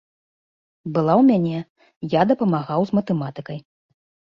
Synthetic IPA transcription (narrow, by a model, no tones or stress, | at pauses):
bɨlˠawmʲanʲɛ | jad̪ɐpɐmaɣawzmɐt̪ɛmat̪ɨkɐj